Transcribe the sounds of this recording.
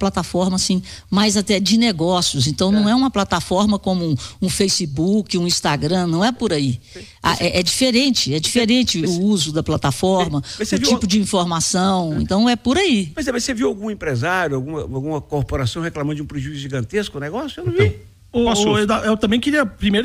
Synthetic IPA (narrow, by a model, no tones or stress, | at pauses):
plat̪afɔɾmɐsĩmajzat̪ɛd͡ʒɪneɡɔsjʊsẽnt̪ɐ̃w̃nɐ̃w̃ɛũmɐplat̪afɔɾmɐkõmʊũfejsɪbukɪũĩst̪aɡɾɐ̃nɐ̃w̃ɛpʊɾai | a̰ʔɛʔɛd͡ʒifeɾẽnt͡ʃɪɛd͡ʒifeɾẽnt͡ʃɪʊuzʊd̪ɐplat̪afɔɾmɐmɐseʊvit͡ʃipʊd͡ʒɪĩfoɾmasɐ̃w̃ḛ̃t̪ɐ̃w̃ɛpʊɾaipojzɛmɐseviwawɡũẽpɾezaɾjʊawɡũmɐawɡũmɐkoɾpoɾasɐ̃w̃heklɐ̃mɐ̃d̪ʊũpɾeʒuizʊʒiɡɐ̃nt̪eskʊnɛɡɔsjʊewnɐ̃w̃vi | oaed̪aewt̪ɐ̃mbẽj̃kɪɾiɐpɾimejɾ